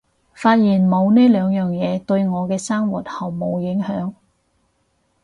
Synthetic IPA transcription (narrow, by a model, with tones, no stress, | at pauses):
faː˧t̚jiː˨˩nmo˨˧wneː˥lœː˨˧ŋjœː˨ŋjɛː˨˧t̪ɵ˧ɥŋɔː˨˧kɛː˧saː˥ŋwṵ˨t̚hɐ˨˩wmo˨˧wjɪ˨˥ŋhœː˨˥ŋ